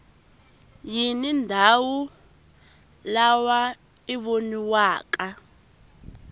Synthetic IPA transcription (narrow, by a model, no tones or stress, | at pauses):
jinindʱawu | lawa | iɓoniwaːk̬ʼa